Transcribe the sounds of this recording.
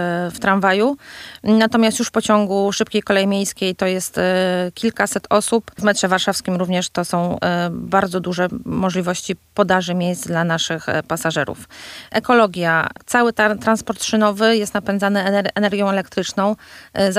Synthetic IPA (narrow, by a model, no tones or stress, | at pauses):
ft̪ɾanvajunat̪ɔmʲjast̪juʂpɔt͡ɕɔŋɡuʂɘp̚kʲejkɔlɛjimʲjejskʲejt̪ɔjɛst̪kʲilkasɛt̪ɔsupvmɛtʂɛvaɾʂafskʲimɾuvɲɛʂt̪ɔsɔ̃w̃baɾd̪zɔd̪uʐɛmɔʐlʲivɔɕt͡ɕipɔd̪aʐɘmʲjejsd̪lanaʂɘxpasaʐɛɾṵfʔɛkɔlɔɡʲjat̪sawɘt̪at̪ɾanspɔɾt̪ʂɘnɔvɘjɛst̪napɛnd̪zanɘʔɛnɛɾɡʲjɔ̃w̃ɛlɛk̚t̪ɾɘt͡ʂnɔ̃w̃z